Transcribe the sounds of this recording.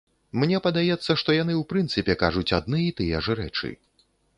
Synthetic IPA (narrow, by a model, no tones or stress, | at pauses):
mnʲɛpɐd̪ajɛt̪sːɐʂt̪ɔjan̪ɨwpɾɨnt̪sɨpʲɛkaʐut͡sʲad̪nɨit̪ɨjɛʐɾɛ̰t͡ʂɨ̰